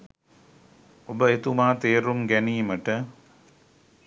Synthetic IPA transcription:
obəet̪umaːt̪eːɾumɡæniːməʈə

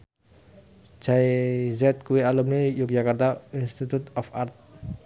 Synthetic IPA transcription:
d͡ʒ̥aizɛt̪̚kuwialumnejuk̚d͡ʒakart̪ainst̪it̪ut̪ɔfart̪̚

